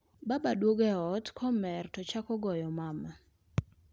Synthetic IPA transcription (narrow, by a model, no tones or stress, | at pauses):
babadwoɡɛɔtkʰɔmɛrtɔt͡ʃakɔɡɔjɔmama